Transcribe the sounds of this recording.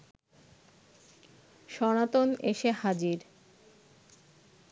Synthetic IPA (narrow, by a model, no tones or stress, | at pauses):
ʃɔnat̪oneʃehad͡ʑiɾ